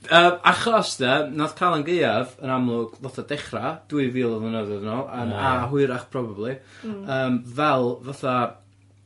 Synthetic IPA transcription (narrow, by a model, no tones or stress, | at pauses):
əːmaχlasdɛnɔð̥kʰaːlˠənɡeɨavənamlˠʊɡ̥lˠɔtʰadɛχrad̥uɨviːlˠəvlˠənəðɛðnɔanaɦʊɨɾaχpʰrɔbablˠiəːmvɛlˠvaθa